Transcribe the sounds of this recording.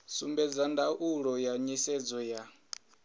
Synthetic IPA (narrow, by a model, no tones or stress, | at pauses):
sumbɛd͡zandaʔuɺɔjaɲisɛd͡zɔja